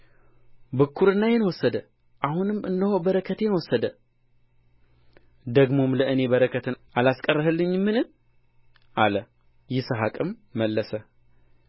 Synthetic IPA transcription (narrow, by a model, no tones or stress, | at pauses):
bɨkʰːuɾɨnːajɛnwɔsːəd̪ə | ʔahunɨmːɨnːəhobəɾəkʰət̪jɛnwɔsːəd̪ə | d̪əɡmo̞mləʔɨne̞bəɾəkʰət̪ʰɨʔalaskʼərːəɦɨlːɨɲːmːɨnɨm | ʔalə | jɪsəɦakʼɨmːəlːəsə